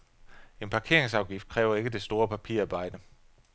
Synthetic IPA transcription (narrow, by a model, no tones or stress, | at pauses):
e̝npʰɑ̈kʰe̝ɐ̰eŋsɑ̈ʊɡ̥ifd̥kʰʁɛːʊɐe̝ɡ̥əd̥e̝sd̥o̝ːɐpʰæpʰiɐ̰ɑ̈ːb̥ɑ̈ɪ̰d̥ə